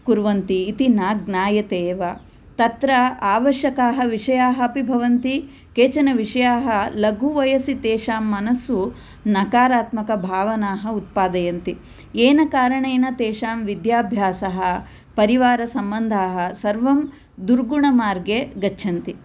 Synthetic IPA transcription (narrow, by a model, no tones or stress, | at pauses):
kuɾʋɐnt̪iːt̪inaːɡnaːjɐt̪eːʋɐ | t̪ɐt̪ɾɐaːʋɐʃjɐkaːɦɐʋiʂɐjaːɦɐɐpibʱɐʋɐnt̪i | keːt͡ʃɐnɐʋiʂɐjaːɦɐlɐɡʱuʋɐjɐsit̪eːʃaːmːɐnɐsu | nɐkaːɾaːt̪mɐkɐbʱaːʋɐnaːɦɐut̪̚paːd̪ɐjɐnt̪i | eːnɐkaːɾɐɳeːnɐt̪eːʃaːmʋid̪jaːbʱjaːsɐɦɐ | pɐɾiʋaːɾɐsɐmbɐnd̪ʱaːɦɐ̆sɐɾʋɐm | d̪uɾɡuɳɐmaːɾɡjeɡɐt͡ʃːt͡ʃʰɐnt̪i